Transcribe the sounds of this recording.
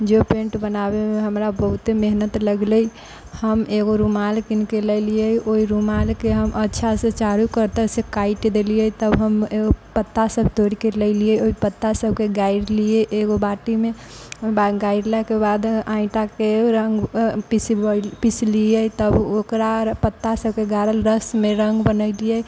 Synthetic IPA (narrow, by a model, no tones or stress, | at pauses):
d͡ʒepẽɳʈbənabemeɦəmɾabəɦut̪emeɦnət̪ləɡləi | həmeɡoɾumalkinkeləlijəiʔoiɾumalkeɦəmʔətːʃʰasẽt͡ʃaɾukəɾt̪əsekaɪʈd̪elijət̪əbɦəmeɡopət̪ːasəbʱt̪oɽikeləlijəoipət̪ːasəbʱkeɡaɪɽlijeʔeɡobaʈime | oibad̪ɡaɪɖlɛkebad̪ãɪ̃ʈakeɾəŋɡpispisliət̪əbokɾapət̪ːasəb̚keɡaɾəlɾəsmẽɾəŋɡbənəɪlijə